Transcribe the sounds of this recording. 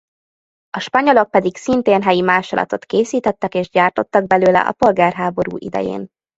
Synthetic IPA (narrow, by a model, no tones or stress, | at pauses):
ɒʃpɒɲolo̞k̚pɛd̪iksint̪eːnɦɛjimaːʃolɒ̰t̪o̞t̪keːsiːt̪ɛt̪ːɛkeːʒɟaːrt̪o̞t̪ːɒɡ̚bɛløːlɛ̰ʔɒ̰po̞lɡaːrɦaːbo̞ɾṵːʔid̪ɛ̰jḛːn